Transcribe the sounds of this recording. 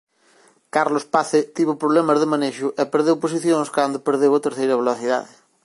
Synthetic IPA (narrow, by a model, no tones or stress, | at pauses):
kaɾlospaθet̪iβʊpɾoβlɛmɐzðɪmaneʃʊʔepeɾðewpos̬iθjõŋskand̪ʊpeɾðewɐt̪eɾθejɾɐβeloθiða̰ðɪ